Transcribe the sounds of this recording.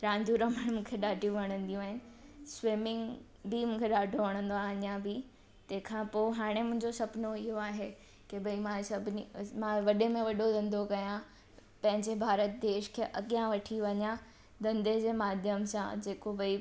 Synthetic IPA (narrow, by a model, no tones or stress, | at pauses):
ɾãːɲd͡ʑuːɾəməɽ̃mũːkʰeɗaːɖʱijũʋɐɽ̃ə̃nd̪ijũaːɦɪnɪ̆sʋɪmɪŋɡ | bimũːkʰeɗaːɖʱoʋɐɽ̃ə̃nd̪oaːɲãbi | t̪ɐ̃ɦɪ̃kʰãpoːɦaːɽ̃emʊ̃ɦɪ̃ɲd͡ʑosɐpnoɪɦoaːɦe | kebɐimãsɐbʱɪnimãʋɐɗemẽʋɐɗod̪ɐ̃nd̪ʱokɐjã | pɐ̃ɦɪ̃ɲd͡ʑebʱaːɾət̪̚d̪eːʃkʰeːʔɐɠijãʋɐʈʰiʋɐɲã | d̪ɐ̃nd̪ed͡ʑeːmaːd̪ʱjəmsã̰d͡ʑeːkobɐi